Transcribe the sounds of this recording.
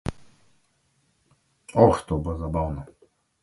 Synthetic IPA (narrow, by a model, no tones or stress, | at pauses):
ɔxt̪ʰɔbazabawnɔ